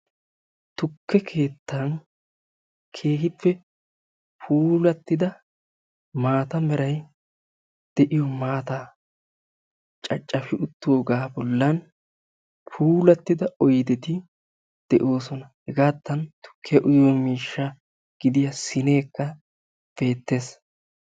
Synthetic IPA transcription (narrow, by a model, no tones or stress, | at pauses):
t̪ʊkʰːɛkʰe̞ːt̪ːɐn | kʰe̞ːhɪpːɛ | pʰuːlɐt̪ːɪd̪ɐ | maːt̪ɐmɛɾɐj | d̪̥ɛʔɪjɔmaːt̪a | t͡ʃʼɐt͡ʃʼːɐfɪʔʊt̪ːoːɡaːbɔlːɐn | pʰuːlɐt̪ːɪd̪ɐʔɔjd̪ɛt̪ɪ | d̪̥ɛʔo̞ːsɔnɐhɛɡaːt̪ːɐnt̪ʊ̥kʰːɪɐʔʊjoːmiːʃːɐ | ɡ̥ɪd̪ɪjɐsɪne̞ːkːɐ | b̥e̞ːt̪ːe̞ːs